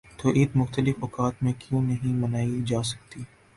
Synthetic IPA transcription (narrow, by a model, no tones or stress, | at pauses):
t̪oːʔɪːt̪mʊxt̪əlɪfɔːkaːt̪mẽkjũnɐɦĩmɐnaːid͡ʒaːsɐ̥k̚t̪iː